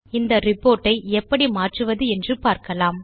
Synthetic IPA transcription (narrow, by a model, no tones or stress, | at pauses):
ɪnd̪ɐɾɪpːoːɾʈːɐɪɛpːɐɽimaːʈrɯʋɐðɯɛndrɯpaːɾkɐlaːm